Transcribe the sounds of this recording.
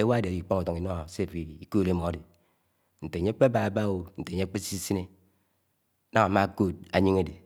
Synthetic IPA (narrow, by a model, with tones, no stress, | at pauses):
e˦wa˦dɾi˨k͡po˦ŋa˨to˨ŋi˨no˦˨se˦˨pi˨i˨ko˦˨le˦mo˨a˨˦de˨ | n̩˨te˨ɲe˦k͡pe˦a˦ba˦a˨ba˦wo˦n̩˨te˨ɲe˦k͡pe˦si˦si˦ne˦ | na˦ŋa˨ma˦ko˦˨d̚a˨ɲi˦ŋe˦de˨